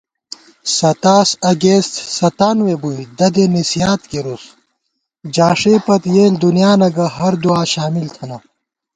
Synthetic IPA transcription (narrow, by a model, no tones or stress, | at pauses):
sɐt̪aːsɐɡeːst̪sɐt̪aːnwebuid̪ɐd̪enisijaːt̪keɾus | d͡ʑaːʂepɐt̪jeːld̪unjaːnɐɡɐɦɐɾd̪uaːɕaːmilt̪ʰɐnɐ